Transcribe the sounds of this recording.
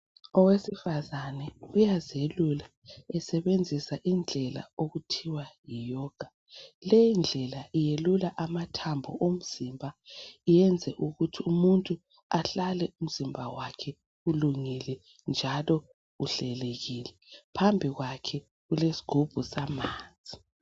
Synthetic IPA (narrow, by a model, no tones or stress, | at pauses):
ɔwesifazanɛujazelula | ɛsɛβend͡zʱisaʔind͡ɮʱɛla̰oɣutʰiwajijɔːɡ̥ʱa | lejind͡ɮʱɛlaʔijelulaʔamatʰambʱɔ̰ʔom̩z̥imbʱaijɛnd͡zʱɛʔuɣutʰiumuntʼu | aɬalɛʔum̩z̥imbʱawakʰɛ | uluŋilɛ | nd͡ʒʱalɔ | uɬɛleɣilɛpʰambʱiɣwakʰɛ | ɣulesi̥ɡ̥ʱub̥ʱusamaːnd͡zʱi̥